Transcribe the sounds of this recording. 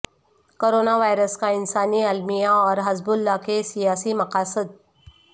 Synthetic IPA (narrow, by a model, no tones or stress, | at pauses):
koːɾoːnaʋaːjɾəskaɪnsaːniɐlmijaɔːɾɦɐzbʊlːakesijaːsimɐqaːsəd̪̚